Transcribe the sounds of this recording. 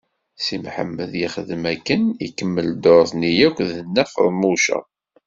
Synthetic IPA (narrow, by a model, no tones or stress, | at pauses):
simħə̰mːəðjiχəðmækːənikːəmːəld̪oɾˤθnijækʷðənːæfə̰ɾˤmuʃə̰